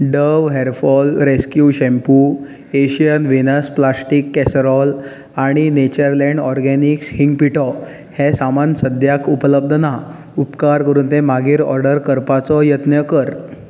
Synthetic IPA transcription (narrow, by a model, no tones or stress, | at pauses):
ɖəʋɦeɾfɔlɾeskjuɕẽmpu | eɕijənʋinəsplasʈikːɛsɾɔl | aɽ̃inet͡ɕəɾlɛ̃ɳɖɔɾɡɛnikshiŋɡpiʈɔ | hɛsamansəd̪ʱjakʰupələb̚d̪ʱəna | upkaɾkəɾuːnt̪emaɡʱiːɾɔ̰ɾɖəɾkəɾpat͡sɔjət̪njəkəɾ